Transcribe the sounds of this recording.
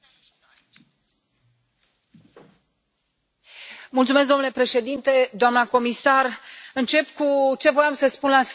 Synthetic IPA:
mult̪sumes̬k̬̚d̪omnule̞pɾe̞ʃe̞d̪int̪e̞d̪oamnəko̞misarɨnt͡ʃe̞pkut͡ʃe̞vo̞jamsəspunlas

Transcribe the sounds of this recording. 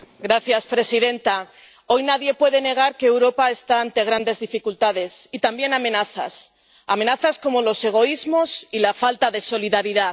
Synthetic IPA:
ɡɾaθjaspɾe̞siðẽ̞nt̪a | o̞jnaðje̞pwe̞ðe̞ne̞ɣ̞aɾkeːwɾo̞pae̞st̪aːnt̪e̞ɣ̞ɾand̪e̞zðifikult̪aðe̞sit̪ambje̞namẽ̞naθa̰s | a̰mẽ̞naθasko̞mo̞lo̞se̞ɣ̞o̞izmo̞silafalt̪aðe̞so̞liðaɾiða

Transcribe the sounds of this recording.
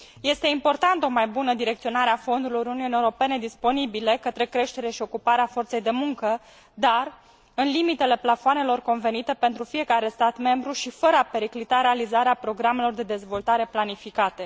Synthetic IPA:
je̞st̪e̞impo̞rt̪ant̪o̞majbunəd̪iɾekt̪sio̞naɾeafo̞nd̪uɾlouɾuuniuneuɾo̞pe̞ne̞d̪ispo̞nibile̞kət̪ɾe̞kɾe̞ʃt̪e̞ɾaʃio̞kupaɾeafo̞rt̪sejd̪e̞muŋkə | d̪ar | ɨnlimit̪e̞le̞plafoane̞lo̞rko̞nve̞nit̪e̞pe̞nt̪ɾufije̞kaɾe̞st̪at̪me̞mbɾuʃifəɾəape̞ɾiklit̪aɾe̞alizaɾeapɾo̞ɡɾame̞lo̞rd̪e̞d̪e̞zvo̞lt̪aɾe̞planifikat̪e̞

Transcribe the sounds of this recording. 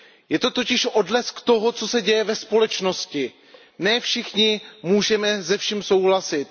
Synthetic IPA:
jɛt̪o̞t̪o̞cɪʃʔodlɛskt̪o̞ɦot͡so̞sɛɟɛjɛvɛspo̞lɛt͡ʃno̞scɪ | nɛːfʃɪxɲɪmuːʒɛmɛzɛfʃimso̞wɦlasɪt̪

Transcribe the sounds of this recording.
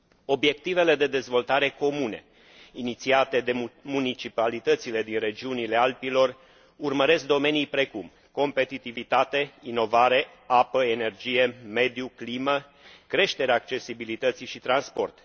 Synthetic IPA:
o̞bje̞k̚t̪ive̞le̞d̪e̞d̪e̞zvo̞lt̪aɾe̞ko̞mune̞̰ | init̪siat̪e̞d̪e̞munit͡ʃipalit̪ət̪sile̞d̪inre̞d͡ʒiunile̞alpilo̞r | urməɾe̞sk̚d̪o̞me̞nijpɾe̞kum | ko̞mpe̞t̪it̪ivit̪at̪e̞ino̞vaɾe̞ | apəene̞rd͡ʒije̞me̞d̪juklimə | kɾe̞ʃt̪e̞ɾeaːkt͡ʃe̞sibilit̪ət̪siʃit̪ɾanspo̞rt̪

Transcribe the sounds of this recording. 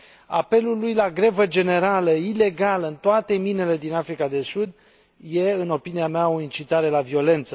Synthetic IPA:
a̰pe̞lulujlaɡɾe̞vəd͡ʒe̞ne̞ɾaləile̞ɡaləɨnt̪oat̪e̞minele̞d̪inafɾikad̪e̞sud̪ | jeɨno̞piniameao̞int͡ʃit̪aɾe̞lavio̞le̞nt̪sə

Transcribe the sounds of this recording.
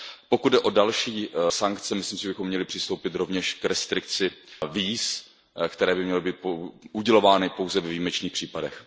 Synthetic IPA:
pokud̪̚dɛʔo̞dalʃiːsaŋkt͡sɛmɪsliːmsɪʒɛbɪxo̞mːɲɛlɪpr̥ɪst̪o̞wpɪt̪ɾo̞vɲɛʃkɾɛst̪ɾɪkt͡sɪviːs | kt̪ɛɾɛːbɪmɲɛlɪbiːt̪̚poʔuɟɛlovaːnɪpo̞wzɛvɛviːmɛt͡ʃniːxpr̥iːpadɛx

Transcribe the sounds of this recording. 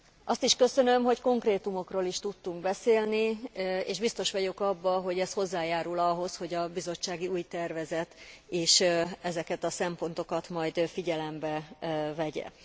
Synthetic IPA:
ʔɒst̪iʃkø̞sø̞nø̞mɦo̞cko̞ŋkreːt̪umo̞kroːliʃt̪ut̪ːuŋɡbɛseːlniḛːʒbist̪o̞ʃʋɒɟokɒbːɒɦo̞ɟɛsho̞zːaːjaːɾulɒɦo̞sho̞ɟɒbizo̞t͡ʃːaːɡiuːjt̪ɛrvɛzɛt̪eːʃɛzɛkɛt̪ɒsɛmpo̞nt̪o̞kɒt̪mɒjd̪fiɟɛlɛmbɛvɛɟɛ̰

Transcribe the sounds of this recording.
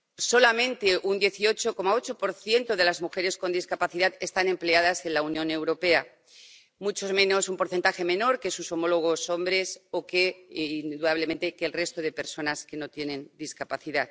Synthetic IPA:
so̞lamẽ̞nt̪e̞ʔund̪je̞θio̞t͡ʃo̞ko̞mao̞t͡ʃo̞po̞ɾθje̞nt̪oð̞e̞lazmuxe̞ɾe̞sko̞nd̪iskapaθiðat̪e̞st̪ane̞mple̞að̞ase̞nlaunjõ̞ne̞wɾo̞pe̞a | mut͡ʃomẽ̞no̞sumpo̞ɾθe̞nt̪axe̞mẽ̞no̞ɾkesuso̞mo̞lo̞ɣ̞o̞so̞mbɾe̞so̞kend̪uðaβ̞lemẽ̞nt̪e̞keːlre̞st̪oðe̞pe̞ɾso̞naske̞no̞t̪je̞nẽ̞nd̪iskapaθiðat̪

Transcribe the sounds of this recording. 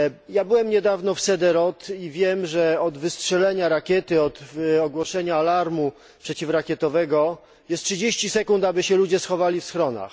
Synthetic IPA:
jabɘwɛmɲɛd̪avnɔfsɛd̪ɛɾɔt̪ivʲjɛmʐɛɔd̪vɘstʂɛlɛɲaɾakʲjɛt̪ɘɔt̪ɔɡwɔʂɛɲaːlaɾmu | pʂɛt͡ɕifɾakʲjɛt̪ɔvɛɡɔ | jɛst̪̚ʂɘd͡ʑeɕt͡ɕisɛkunt̪abɘɕɛlud͡ʑɛsxɔvalʲifsxɾɔna̰x

